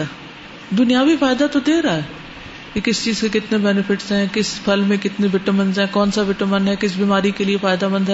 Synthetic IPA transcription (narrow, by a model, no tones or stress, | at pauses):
d̪ʊnijaʋifaːjd̪at̪od̪eːɾaɦɛː | kekɪst͡ʃiːzkekɪt̪nebɛːnɪfɪʈsɦɛ̃kɪspʰɐlmẽkɪt̪neʋɪʈəmənzɦɛ̃kɔːnsaʋɪʈəmə̃nɦɛkɪs̬biːmaːɾikeliefaːjd̪abɐ̃nd̪ɦ